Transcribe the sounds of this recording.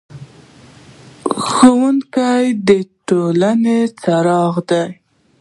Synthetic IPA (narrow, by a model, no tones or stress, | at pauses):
xowuŋkajd̪əʈolanet͡saɾɑɣd̪aj